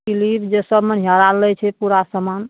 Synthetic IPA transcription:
ilibd͡ʒesəbmeɦaɾalɛt͡ʃʰɛpuɾasəman

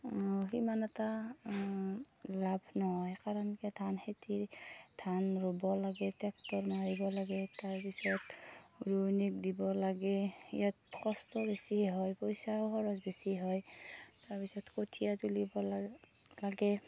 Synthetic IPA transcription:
ɔɦimanɛta | labʱnɔɦɔjkaɹɔnkɛtʰanhetidʰʱanɹobɔlaɡɛtɛk̚tɔɹnaɹibɔlaɡɛtaɹpisɔtɹunik̚dibɔlaɡɛḭjatkɔstɔbesiɦɔjpɔjsaɦɔɹɔsbesiɦɔjtaɹpisɔtkotʰijatulibɔ | laɡɛ

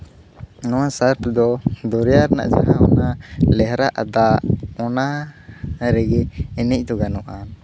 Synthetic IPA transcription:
nɔwasaɾpʰd̪ɔd̪ɔɾɛjaɾna̰ʔd͡ʒa̰ɦaɔnalɛɦɾaʔa̰d̪aʔɔna | ɾɛɡɛɛnɛc̚ˀt̪ɔɡanɔʔan

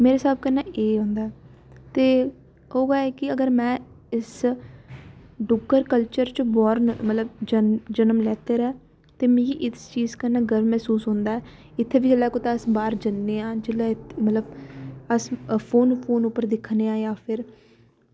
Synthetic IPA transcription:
meːɾeːsaːb̚kənːɛːʔeːɦõːnd̪aːɛː | t̪eː | oːɡaːɛːkɪəɡəɾmɛ̃ː | ɪs | ɖʊɡəɾkəlt͡ʃəɾt͡ʃbɔːɾənmət̪ləbd͡ʒəd͡ʒənəmlɛːt̪eːɾɛː | t̪eːmĩiʔɪt͡ʃiːzkənːɛːɡəɾmɛːsuːsɦõːnd̪aːɛː | ɪt̪ʰːeːbiːd͡ʒelɛːkoːt̪aəsbaːɾd͡ʒənːeːãːd͡ʒelːɛːt̪mət̪ləbəspʰoːnpʰoːnʊpːəɾd̪ɪkʰneːãːjaːpʰɪɾ

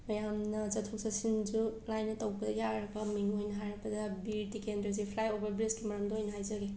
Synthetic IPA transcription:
mɐjamnɐzɐtʰuk̚sɐsind͡ʒulajnːɐtɐwbɐdɐjaɾɐpɐminuojnɐɦaɾɐbɐdɐbiɾtikendɐz̬ipʰlajobɐɾbɾeskimɐɾɐmdoojnɐɦajzɐɡe

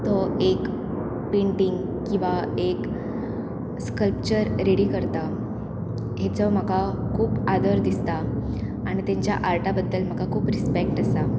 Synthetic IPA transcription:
t̪ɔek | peɳʈiŋɡ | kĩw̃ʋaek | skəlpt͡ɕəɾɾeɽiːkəɾt̪a | ɦet͡səm̤əkakʰuːpad̪əɾd̪ist̪a | aɽ̃it̪ãɲt͡ɕja̰ʔaɾʈabəd̪ːəlm̤əkakʰuːpɾispek̚ʈast̪a

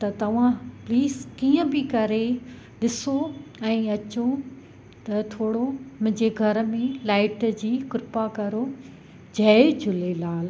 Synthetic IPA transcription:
t̪ɐt̪ɐʋ̤ãpliːzkiːə̃bɪkɐɾe | ɗɪsoɛ̃ːɐt͡ɕo | t̪ɐt̪ʰoːɽomʊ̃ɦɪ̃ɲd͡ʑeɡʱɐɾ̆mẽlaːɪʈd͡ʑiːkɾɪpakɐɾo | d͡ʑɐd͡ʑʱʊlelaːl

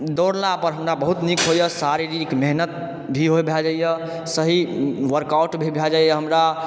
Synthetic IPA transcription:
d̪oɽlapəɾɦəmɾabəɦut̪nikɦojəsaɾiɾikmeɦnət̪̚ | bʱiɦojbʱɛd͡ʒajjə | səɦiʋəɾkawʈbʱibʱɛd͡ʒajəɦəmɾa

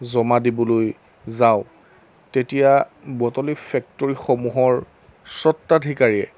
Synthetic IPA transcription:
zɔmadibɔloj | zaʊ | tetijabɔtɔlifʰɛk̚tɔɹixɔmuɦɔɹ | sɔtːadʱikaɹiɛ̰

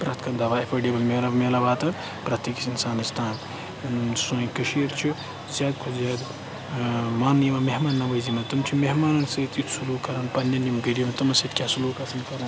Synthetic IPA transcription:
pɾɐt̪kʰɐnd̪ɐʋaepʰɐɖibɐlmeːlɐmelɐbaːt̪ɐ | pɾɐt̪ikisinsaːnɐst̪ʰaːn | sojkɨʃiːɾt͡ʃʰi | zʲaːd̪kʰuzad̪ | maːnːimɐmeɦmaːnːɐʋɐzimɐt̪ɐmt͡ʃʰimeɦmaːnɐnsɐt̪it̪sulukɐɾɐnpɐnjɐnimbiɖijɐmt̪ɐmɐsit̪kʲasulukɐsɐnkɐɾɐn

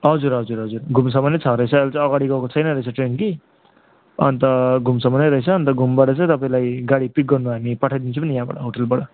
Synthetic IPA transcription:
ɦʌd͡zuɾɦʌd͡zuɾɦʌd͡zurɡʱums̬ʌmʌnːet͡sʰʌɾʌjt͡sʰʌelt͡sãʌɡaɽiɡʌkot͡sʰʌjnʌɾʌit͡sʰʌʈrenki | ʌ̰nt̪ʌɡʱumsʌmʌneɾʌɦit͡sʰʌːnt̪ʌɡʱumbaɽʌt͡sãt̪ʌpaĩlajɡaɽipik̚ɡʌrnuɦamipʌʈʰajd̪int͡sʰũpʌnijãba̰ɽʌɦoʈelbaɽʌ

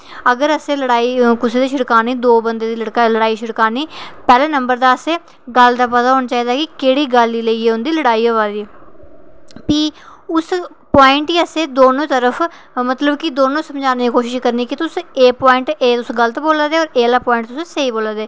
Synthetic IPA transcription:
əɡəɾəsẽːləɽaːiːkʊseːd̪eːʃɪɽkaːniːd̪oːbənd̪eːd̪iːləɽkaləɽaːiːʃʊɽkaːniːpɛːleːnəmbəɾd̪aːəseː | ɡəld̪aːpət̪aːɦoːnaːt͡ʃaːiːd̪aːkɪkeːɽiːɡəlːiːləiːeːʊnd̪iːləɽaːiːɦoːaːd̪iː | piːʊs | paːɪɳʈiːəseːd̪oːnõːt̪əɾəfʰ | mət̪ləbkɪd̪oːnõːsəmd͡ʒaːneːikoːʃɪʃkəɾniːkɪt̪ʊseːpɔːɪɳʈeːt̪ʊsɡələt̪boːlaːd̪eːɔːɾeːlaːpɔːɪ̃ɳʈt̪ʊsseːiːboːlaːd̪eː

